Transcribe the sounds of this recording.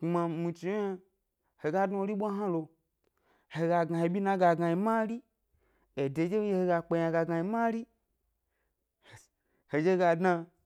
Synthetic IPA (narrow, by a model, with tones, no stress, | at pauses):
mã˨mi˨t͡ʃi˨˦a˦ | he˨ɡa˦dno˦˧˦ɾi˦ɓʷa˦ɦã˦lo˧ | he˨ɡa˨ɡa˨he˨ɓʲi˦na˦ɡa˨ɡa˧ji˨˧ma˦ɾi˦ | e˨de˨˦d͡ʒe˦je˧˦he˧˨ɡa˧k͡pe˧ja˧ɡa˧ɡa˧ji˨˧ma˦ɾi˦˨ | he˨d͡ʒe˦ɡa˧dna˧